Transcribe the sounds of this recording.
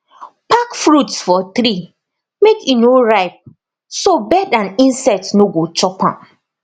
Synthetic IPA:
pakfɾutsfɔt̪ɾi | mekinoɹaɪp̚ | sobɛdãnĩnsɛtsnoɡot͡ʃɔpã̰m

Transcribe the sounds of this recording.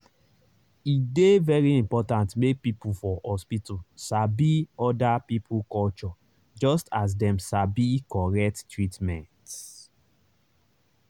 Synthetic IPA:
idevɛɹiĩmpɔtãntmek̚pipufɔhɔspitʰosabiɔdapipʰukɔlt͡ʃɔ | d͡ʒɔstas̬dɛ̃msabikɔɹɛk̚ttɹitmɛ̃nt

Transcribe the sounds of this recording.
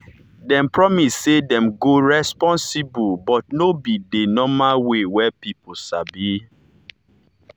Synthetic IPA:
dɛ̃mpɹɔmisːedɛ̃mɡoɹɛspɔ̃nsibubɔtnobidenɔmawewɛpipusabi

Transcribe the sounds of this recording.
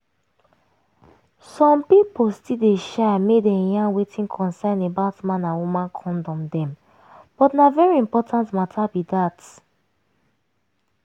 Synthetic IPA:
sɔ̃mpipolstildeʃamedɛ̃jãnwetʰĩnkʰɔ̃nsɛ̃nebaʊtmãnãwumãnkʰɔ̃ndɔ̃mdɛ̃m | b̥ɔtnavɛɹiĩmpɔtʰãntmatʰabidat

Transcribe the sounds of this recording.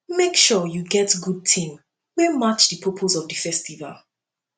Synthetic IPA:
mekʃɔjuɡɛtɡud̚tʰĩm | wɛmat͡ʃðəpʰɔpʰozɔvðəfɛstiva̰lˠ

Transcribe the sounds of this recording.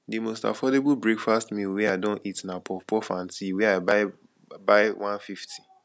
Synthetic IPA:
dimosta̰fɔdeblbɹekfastmilwɛaɪdɔ̃nitnapɔpɔfãntiwɛaɪbaɪ | baɪwʔãnfiftʰi̥

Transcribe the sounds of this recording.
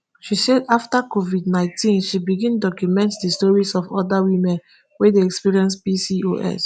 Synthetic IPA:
ʃisɛdaftakovidnãɪ̃ntĩnʃibiɡĩndɔkjumɛ̃ntdistɔɹisɔvɔdawĩmɛ̃n | wedeɛkspiɹiɛ̃ns̬bisio̰ʔɛ̰s

